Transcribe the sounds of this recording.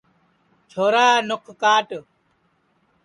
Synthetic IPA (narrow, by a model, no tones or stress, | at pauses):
t͡ʃʰoːɾaːnʊkʰkaːʈ